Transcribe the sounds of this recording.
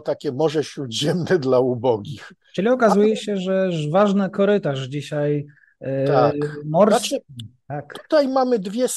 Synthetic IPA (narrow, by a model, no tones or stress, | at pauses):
t̪akʲɛmɔʐɛɕɾud̪ʑɛmnɛd̪laubɔɡʲix | t͡ʂɘlʲiɔkazujɛɕɛʐɛvaʐnɛkɔɾɘt̪aʐd͡ʑiɕaj̪ | akmɔɾst̪ak̪u̥t̪ajmamɘd̪vʲjɛs